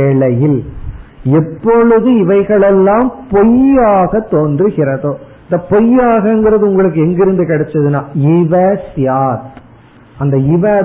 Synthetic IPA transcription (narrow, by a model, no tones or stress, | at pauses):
eːɭɐjɪl | ɛpːɔɻɯðɯɪʋɐɪɣɐɭɛlːaːmpɔjaːɣɐt̪ːoːndrɯɣɪɾɐðoːɪnd̪ɐpɔjaːɣɐŋɡɪɾɐðɯʊŋɡɐɭɯk̬ːɯɛŋɡɪɾɯnd̪ɯkɪɽɛt͡ʃːɐðɯnaːɪʋɛːsjaːt̪ | ɐnd̪ɐɪʋɛː